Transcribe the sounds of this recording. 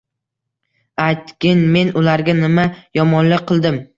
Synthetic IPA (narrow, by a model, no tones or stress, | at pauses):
ajt̪kʲɪnme̞nʊlaɾɡʲanɪmajɒmɒnlɪk̚qʰɨlˠd̪ɪm